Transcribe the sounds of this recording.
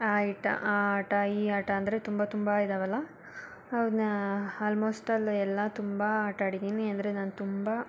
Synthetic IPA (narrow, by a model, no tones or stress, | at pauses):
aːiʈɐ̰ʔaːʈɐiːaːʈɐɐnd̪ɐɾet̪umbɐt̪umbaid̪ɐʋɐlːɐ | ɐʋnaːlmoːsʈɐlɛlːɐt̪umbɐaːʈaːɽid̪iːniɐnd̪ɐɾenaːnut̪umbɐ